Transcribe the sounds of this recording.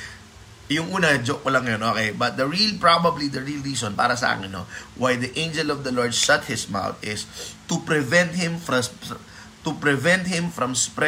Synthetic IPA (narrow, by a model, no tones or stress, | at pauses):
jʊŋʔuːnɐd͡ʒoʔ̚kolɐŋːɐjonʔoːkejbɐt̪̚d̪ɐɹilpɹabɐblid̪ɐɹilɹiːsɔ̃npa̰ːɾɐsɐ̰ʔa̰ːkɪnːo̰wajd̪ɐʔẽɪnd͡ʒɛlɔvd̪ɐloɹd̪̚ʃɐt̪̚hɪsma̰wt̪ʔɪst̪ʊpɾɪvɛ̃nt̪̚hɪ̃mfɐ | t̪ʊpɾɛvɛ̃nt̪̚hɪ̃mfɹɐ̃mspɾɛ